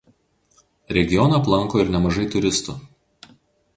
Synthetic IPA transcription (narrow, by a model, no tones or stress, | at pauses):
ɾʲɛɡʲɪjɔnɐplˠɐŋˑkoːɪɾnʲɛmɐʒɐɪt̪ʊɾʲɪst̪ʊ